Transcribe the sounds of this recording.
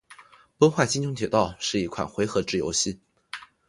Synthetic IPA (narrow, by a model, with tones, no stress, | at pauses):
pwə˥nxwa˥˩ɪt͡ɕi˥nʈ͡ʂʰʊ˧˥ŋt̪ʰjɛ˨˩t̪ɑ˥˧ʊʂɻ̩˥˩i˧˥kʰwa̰˨˩nxwe˧˥ɪxɤ˧˥ʈ͡ʂɻ̩˥˩jo̰˧˥ʊɕi˥˩